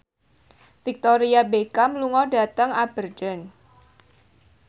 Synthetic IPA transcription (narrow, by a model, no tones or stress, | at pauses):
fik̚t̪oɾiabekamluŋɔda̤t̪əŋab̥ərd̥ɔn